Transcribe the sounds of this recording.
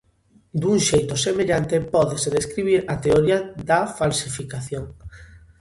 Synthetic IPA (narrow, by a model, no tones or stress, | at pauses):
d̪uŋʃejt̪osemeʎant̪epɔðeseðeskɾiβ̞iɾat̪eoɾiaðafalsifikaθjoŋ